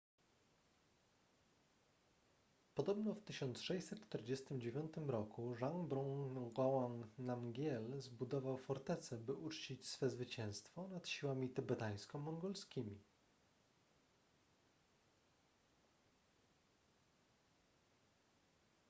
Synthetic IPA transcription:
pɔd̪ɔbnɔft̪ɘɕɔnt̪sʂɛjsɛt̪t͡ʂt̪ɛɾd͡ʑest̪ɘmd͡ʑevʲjɔnt̪ɘmɾɔkuʐaŋbɾɔ̃ɡawannamɡʲjɛlzbud̪ɔvawfɔɾt̪ɛt̪sɛbɘʔut͡ʂt͡ɕit͡ɕsfɛzvɘt͡ɕɛ̃w̃st̪fɔnat̪ɕiwamʲit̪ɛbɛt̪aj̃skɔmɔŋɡɔlskʲimʲi

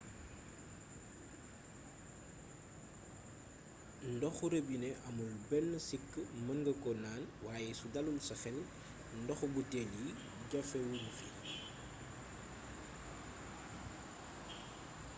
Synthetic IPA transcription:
ndɔxuɾəbinɛʔɐmulbɛnːəsikːəmɐŋɡɐkɔnaːnwaːjɛsudɐlulsɐxɛl | ndɔxubutɛlji | ɟɔfɛwunufi

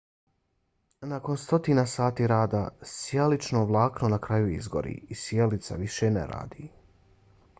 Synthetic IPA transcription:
nako̞nst̪o̞t̪inasaːt̪iːɾaːd̪asjalit͡ʃnoːʋlˠaːknonakɾajuizɡo̰ɾḭːisjelit̪sa̰ʋiʃenḛɾa̰ːd̪iː

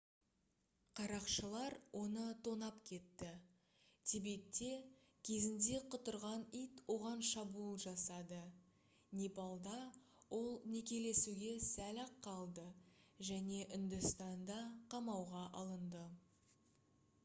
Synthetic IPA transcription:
qʰɑɾɑqʃəlˠɑɾwʔo̞nət̪ʰo̞nɑpkʲʰe̞t̪ːɪ | t̪ʰebe̞tt̪ːe̞ | kʲʰe̞zɪnd̪e̞qʰʊt̪əɾʁɑnijt̪wo̞ʁɑnʃɑbulˠʒɑsɑd̪ə | nʲepɑlˠd̪ɑ | wʔo̞lˠne̞kʲe̞le̞suɡʲe̞sælɑqʰːɑlˠd̪əʒæne̞ʔʏnd̪ɪst̪ɑnd̪ɑqʰɑmɑwʁɑʔɑlˠənd̪ə

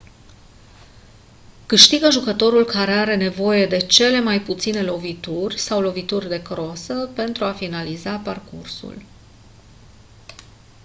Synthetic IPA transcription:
kɨʃt̪iɡəʒukət̪o̞ɾulkaɾe̞aɾe̞ne̞vo̞je̞d̪e̞t͡ʃe̞le̞majput̪sine̞lo̞vit̪urʲsawlo̞vit̪urʲd̪e̞kɾosəpe̞nt̪ɾuafinalizaparkṵrsṵl

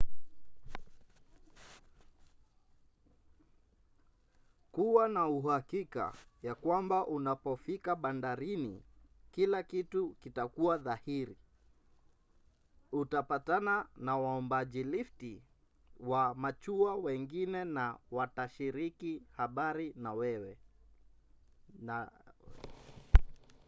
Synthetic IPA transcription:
kuwanauhakika̰jakwambaʔunapɔfikaɓandaɾinikilakitukitakuwaðahiɾi | utapatananawaɔmbaʄilifti | wamat͡ʃuawɛŋɡinɛnawataʃiɾikihaɓaɾinawɛwɛ

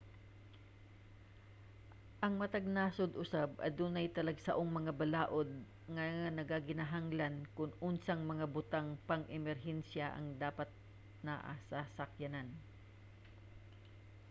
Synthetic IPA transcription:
ʔɐŋmɐt̪ɐɡ̚naːsod̪ʔʊsabʔɐ̰d̪uːnɐjt̪ɐlɐɡsɐʔoŋmɐŋabɐlaːʔod̪̚ | ŋɐŋanɐɡaɡɪnaɦaŋlɐnkʊnʔʊnsaŋmɐŋabʊt̪aŋpɐŋʔɛmɛɾɦɛnsjaʔɐ̰ŋd̪aːpɐt̪̚ | naʔa̰sasɐkjɐnan

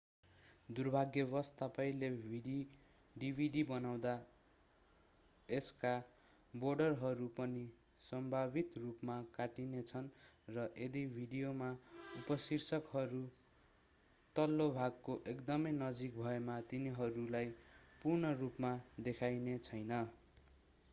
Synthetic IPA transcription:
d̪urbʱaɡjʌbʌst̪apaijlebʱiɖi | ɖibʱiɖibʌnaw̃d̪a | eska | borɖʌrɦʌɾupʌni | sʌmbʱabit̪rupmakaʈinet͡sʰʌnrʌʔed̪ibʱiɖijomaupʌsirsʌkɦʌɾu | t̪ʌlːobʱaɡ̚koʔekd̪ʌmʌjnʌd͡zik̚bʱʌemat̪iniɦʌɾulajpurnʌrupmad̪ekʰajnet͡sʰʌjnʌ

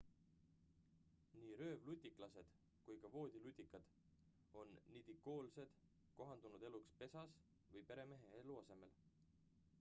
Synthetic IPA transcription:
niːɾø̞ːvlut̪ʲːˑikˑlɑse̞d̪̥ | kujkɑvo̞ːd̪̥ʲilut̪ʲːikːˑɑd̪̥ | o̞nːid̪̥ikːo̞ːlse̞d̪̥ | ko̞ɦɑnd̪̥unud̪e̞lukspe̞sɑs | vɤjpe̞ɾe̞me̞ɦeeluɑse̞me̞l

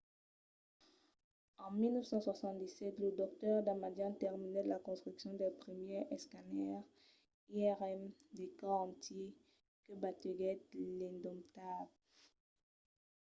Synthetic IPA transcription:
ɑ̃milnœvsɑ̃swasɑ̃t̪̚d̪isɛt̪ləd̪ɔk̚t̪œʁd̪amad̪ɛ̃nt̪ɛʁminɛd̪əlakɔ̃st̪χyksjɔ̃d̪ɛpχəmjɛɛskanɛʁ | iɛʁɛmd̪ekaɑ̃t̪je | kəbat̪əɡɛt̪lɛ̃d̪ɔ̃mt̪ab

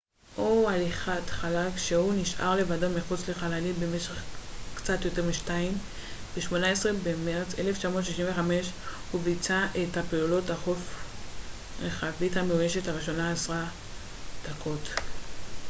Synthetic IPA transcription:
ʔo̞aliχatχalakʃehuniʃʔa̰ʁle̞vadomiχut͡sle̞χalalibemeʃeχkt͡satjo̞te̞ʁmiʃtaim | b̥eʃmo̞naesʁe̞bemeʁt͡seleft͡ʃamotʃiʃinveχame̞ʃhuvit͡saʔetapeulo̞taχo̞f | ʁeχavithameujeʃe̞thaʁiʃo̞naːsʁa | d̪̥akʰo̞t

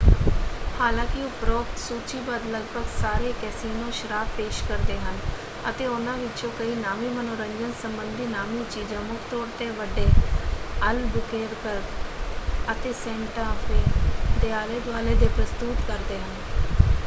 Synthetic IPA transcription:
haːlãːkɪoːpɾoːksuːt͡ʃiːbad̪ləɡbʱəɡsaːɾeːkɛːsiːnõːʃəɾaːbpeːʃkəɾd̪eːɦən | ət̪eːʊnãːʋɪt͡ʃõːkəiːnaːmiːmənoːɾə̃nd͡ʒənsəmbənd̪iːnaːmiːt͡ʃiːd͡ʒãːmʊkʰt̪oːɾt̪eːʋəɖːeː | əlbʊkeːɾkəɾɾ | ət̪eːsɛ̃ːɳʈaːfʰeːd̪eːaːleːd̪ʋaːleːd̪eːpɾəst̪uːt̪kəɾd̪eːɦən

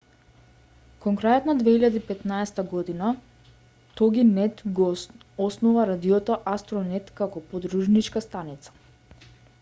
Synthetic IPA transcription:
kɔŋkɾajɔt̪nad̪vɛiʎad̪ipɛt̪naɛst̪aɡɔd̪ina | t̪ɔɡinɛt̪ɡɔ | ɔsnuvaɾad̪iɔt̪ɔʔast̪ɾɔnɛt̪kakɔpɔd̪ɾuʒnit͡ʃkast̪anit̪sḁ

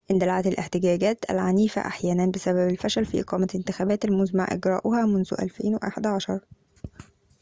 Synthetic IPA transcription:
ʔɪnd̪ælʕat̪ælʔḛħt̪ɪɡæːɡæːt̪æ̰lʕaniːfæ̰ʔa̰ħjæːnænbɪsæbæbælfæʃælfḭʔɪ̰qɑːmæʔɪnt̪ɪxæːbæːt̪ælmʊzma̰ʕʔɪ̰ɡɾˤɑ̰ːʔʊhæːmʊnzʊ̰ʔæ̰lfḛːnwḛʔa̰ħed̪aʕɑʃɑɾˤ

